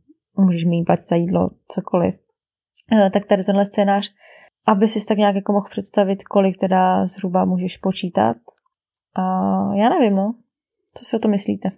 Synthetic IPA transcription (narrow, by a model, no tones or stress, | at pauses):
muːʒɛʃminpacz̥ajiːdlo̰t͡sokʰo̞lɪ̰f | t̪ak̚t̪adɪt̪ɛnɦlɛst͡sɛːnaːr̝̥ | ʔabɪsɪsɪt̪akɲaːkjakomoxpr̥ɛt̪st̪avɪt̪ko̞lɪk̚t̪ɛdazɦɾubamuːʒɛʃpot͡ʃiːt̪a̰t̪ | ʔajaːnɛvɪmnoː | t͡sosɪot̪omɪslḭːt̪ɛ